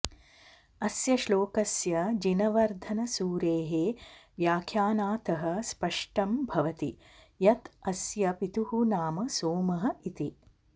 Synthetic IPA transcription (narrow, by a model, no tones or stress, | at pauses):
ɐsjɐʃloːkɐsjɐd͡ʒinɐʋɐɾd̪ʱɐnɐsuːɾeːɦeːʋjaːkʰjaːnaːt̪ɐɦɐ̆spɐʂʈɐmbʱɐʋɐt̪i | jɐt̪ɐsjɐpit̪uɦunaːmɐsoːmɐɦɐ̆it̪i